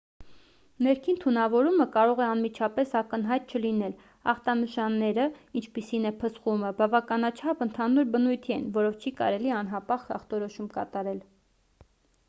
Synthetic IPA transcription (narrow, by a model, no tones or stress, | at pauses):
nɛɾkʰint̪ʰunɑvɔɾuməkɑɾɔʁɛɑnmit͡ʃʰɑpɛsɑkən̪ɦɑjt̪̚t͡ʃʰəlinɛl | ɑ̰χt̪ɑnəʃɑnːɛɾəint͡ʃʰpisinɛpʰəsχuməbɑvɑkɑnɑt͡ʃʰɑpənt̪ʰɑnuɾbənujt̪ʰiɛ̰nvɔɾɔvt͡ʃʰikɑ̰ɾɛliɑn̪ɦɑpɑχɑ̰χt̪ɔɾɔʃumkɑ̰t̪ɑɾɛl